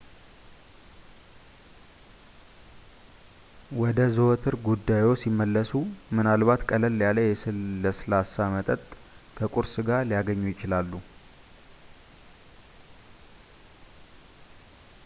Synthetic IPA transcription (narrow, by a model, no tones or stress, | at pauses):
wɔd̪əzəwt̪ʰɨɾɡud̪ːajwosimːəlːəsumɨnalβat̪kʼələlːjaləjɛsləsɨlasamət̪ʼət̪ʼ | kʰəkʼuɾsɨɡalijaɡəɲːujɪt͡ʃɪlalːu